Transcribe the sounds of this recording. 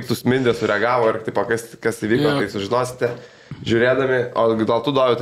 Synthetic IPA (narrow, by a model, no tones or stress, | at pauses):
kt̪ʊsmʲɪnʲd̪ʲɛsʊɾʲɛɡɑːʋoːɪrt̪ɐɪpoːkɐskɐsiʋʲiːkoːt̪ɐɪsʊʒʲɪnoːsʲɪ̥t̪ʲɛ | ʒʲʊːɾʲeːd̪ɐmʲɪoːd̪olˠt̪ʊd̪oːʋʲʊt̪